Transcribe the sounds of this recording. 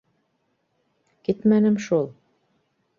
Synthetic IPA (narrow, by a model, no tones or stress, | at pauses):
kit̪mænɘmʃulˠ